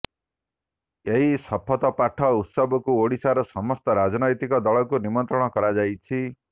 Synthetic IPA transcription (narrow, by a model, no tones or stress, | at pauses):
eɦisɔpʰɔt̪ɔpaʈʰɔut̪sɔbɔkuoɽisaɾɔsɔmɔst̪ɔɾad͡ʒɔnɔjt̪ikɔd̪ɔɭɔkunimɔnt̪ɾɔɽ̃ɔkɔɾad͡ʒajt͡ʃʰi